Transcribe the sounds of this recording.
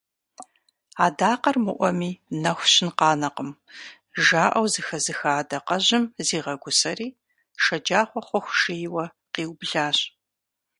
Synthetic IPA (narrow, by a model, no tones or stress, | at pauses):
aːdaːqɐrmɨʔʷɔmiːnɐxʷɕɪnqɑːnɐqəm | ʒaːʔɐwzɨxɐzɨxaːdɐqɐʑɪmziːʁɐɡʷʊsɐriː | ʃɐd͡ʒaːχʷɔχʷɔxʷʃejwɐ | qiːwbɮaːɕ